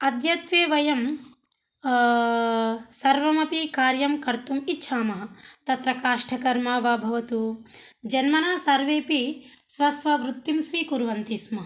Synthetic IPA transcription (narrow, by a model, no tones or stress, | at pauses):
ɐd̪jɐt̪ʋeːʋɐjɐm | sɐɾʋɐmɐpikaːɾjɐmkɐɾt̪umitːʃʰaːmɐɦɐt̪ɐt̪ɾɐkaːʂʈʰɐkɐɾmaːʋaːbʱɐʋɐt̪u | d͡ʒɐnmɐnaːsɐɾʋeːpi | sʋɐsʋɐʋɾut̪ːimsʋikuɾʋɐnt̪ismɐ